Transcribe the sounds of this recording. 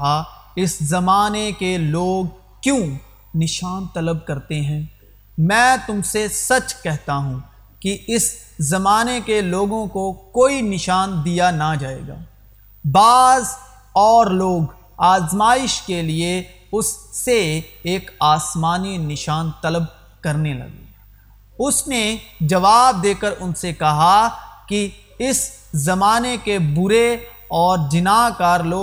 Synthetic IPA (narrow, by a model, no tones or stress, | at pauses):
ɦa | ɪszɐmaːnekeloːɡ | kjõ | nɪʃaːnt̪ɐləb̚kɐɾt̪eɦɛ̃ː | mɛ̃ːt̪ʊmsesɐt͡ʃkɛɦt̪aɦũː | kiɪs | zɐmaːnekeloːɡõkokoːinɪʃaːnd̪ijanad͡ʒaːḛːɡa̰ː | baːz | ɔːɾloːɡ | aːzmaːɪʃkelie | ʊsːeːkaːsmaːninɪʃaːnt̪ɐləb̚ | kɐɾnelɐ̰ɡḛː | ʊsned͡ʒɐʋaːb̚d̪eːkəɾʊnsekɐɦaki | ɪs | zɐmaːnekebʊɾe | ɔːɾd͡ʒɪnaːkaːɾloː